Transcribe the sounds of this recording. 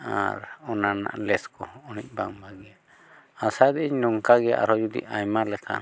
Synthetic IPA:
a̰ɾɔnana̰ʔlɛskɔɔnic̚baŋbaɡɛja | asad̪ɛʔiɲnɔŋkaɡɛja̰ʔa̰ɾɔd͡ʒud̪ḭajmalɛkʰa̰

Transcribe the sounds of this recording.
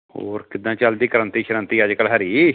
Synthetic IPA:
hoːɾkɪd̪ãːt͡ʃəld̪iːkəɾənt̪iːʃəɾənt̪iːəd͡ʒkəlɦəɾiː

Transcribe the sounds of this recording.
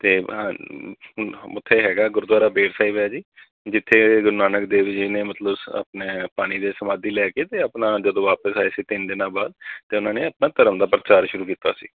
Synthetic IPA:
t̪eːa | ʊt̪ʰːeːɦɛːɡaːɡʊɾd̪waːɾaːbeːʈʰsaːiːʋeaːd͡ʒiː | d͡ʒɪt̪ʰːeːɡʊɾnaːnəkd̪eːʋd͡ʒiːneːmət̪ləbə̰pneːpaːɽ̃iːd̪eːsəmãːd̪iːlɛːkeːt̪eːəpnaːd͡ʒəd̪õːʋaːpəsaːesiːt̪ɪnd̪ɪnaːbaːd̪̚t̪eːʊnãːneːəp̚nãːt̪əɾəmd̪aːpɾət͡ʃaːɾʃʊɾuːkiːt̪a̰ːsḭː

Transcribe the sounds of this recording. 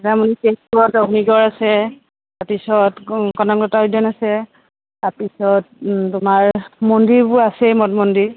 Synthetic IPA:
ɛtamunikeɔtɔɡniɡɔɹasɛ | taɹpisɔtkɔnɔɡlɔtaidɔnasɛ | taɹpisɔt̚tʊmaɹmondiɹbʊasɛmɔtmɔndi

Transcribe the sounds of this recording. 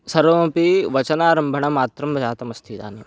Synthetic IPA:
sɐɾompiʋɐt͡ʃɐnaːɾɐmbʱɐɳɐmaːt̪ɾɐmɐd͡ʒaːt̪ɐmɐst̪ʰid̪a̰ːni

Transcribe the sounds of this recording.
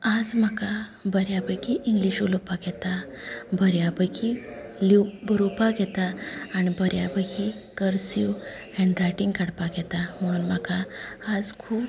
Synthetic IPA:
ad͡zm̤akabəɾjabəjkiʔiŋɡliɕulupaɡɛt̪abʱəɾjabəjkʰilibəɾupaɡɛt̪aːnibəɾjabəjkʰikəɾsiw | ɛ̃ɳɖɾajʈiŋɡkəɽpaɡɛt̪am̤əɽ̃uːnmakaːd͡zkʰuːb

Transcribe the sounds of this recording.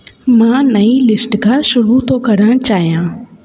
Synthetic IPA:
mãːnɐilɪsʈkʰãːʃʊɾut̪ʰokɐɾəɽ̃t͡ɕaːɦijãː

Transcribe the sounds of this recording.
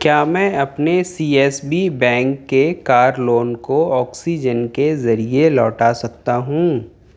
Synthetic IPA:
kjaːmɛ̃ːɐpnesiːɛːsbibɛ̃ːŋkːekaːɾloːnkoɔːksid͡ʒənkezɐɾielɔːʈasɐk̚t̪aɦũː

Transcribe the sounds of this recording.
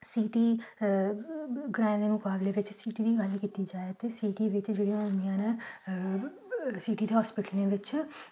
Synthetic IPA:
siːʈiː | ɡɾãːd̪eːnũːkaːbleːʋɪt͡ʃsiːʈiːd̪iːɡalkiːt̪iːd͡ʒaːet̪eːsiːʈiːʋɪt͡ʃd͡ʒeːɽijãmijãːnẽ | siːʈiːd̪eɦɔːspɪʈəlnẽʋɪt͡ʃ

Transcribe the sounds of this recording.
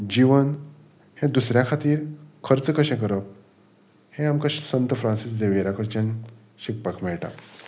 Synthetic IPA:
d͡ʑiʋən | hẽd̪usɾjakʰat̪iːɾkʰəɾt͡skəɕɛ̃k̬əɾəp̚ | hẽamkəɕsənt̪əfɾãnsis̬d͡zeʋeɾakəɾt͡ɕẽn | ɕik̚pakmɛɭʈa̰

